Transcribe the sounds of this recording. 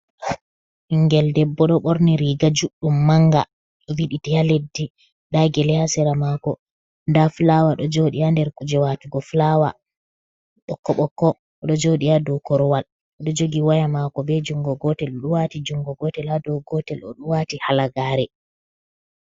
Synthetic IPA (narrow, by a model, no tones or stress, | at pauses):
iŋɡɛldɛbːɔɗɔɓoɾniɾiɡad͡ʒuɗumːaŋɡa̰ | ɗɔwiɗitɛjaledːi | ɗaɡɛlɛhasɛɾamakɔ | ndaflawaɗɔd͡ʒoɗiandɛɾkud͡ʒɛwatuɡɔflawa̰ | ɗɔkːɔɓɔkːɔ | ɔɗɔd͡ʒoɗijadɔkɔɾɔwal | ɔɗɔd͡ʒoɡiwajamakɔbɛd͡ʒuŋɡɔɡɔtɛlɔɗuwatid͡ʒuŋɡɔɡɔtɛladɔɡɔtɛlɔ̰ɗuwatihalaɡaːɾɛ